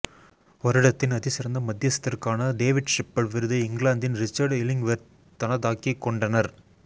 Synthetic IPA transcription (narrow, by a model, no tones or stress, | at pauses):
ɔɾɪɽɐt̪ːɪnɐðɪsɪɾɐnd̪ɐmɐd̪jɐsɐ̥t̪ːɪrkaːnɐɖeːʋɪɖʂɪpːɐɭʋɪɾɯðɯɪŋɡɭaːnd̪ɪnɾɪt͡ʃːɐɾɖɪlɪŋʋeɾ | t̪ːɐnɐðaːkikːɔɳɖɐnɐɾ